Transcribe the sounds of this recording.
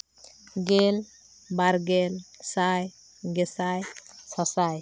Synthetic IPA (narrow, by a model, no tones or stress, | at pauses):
ɡel | baɾɡelsaj | ɡesajsasaj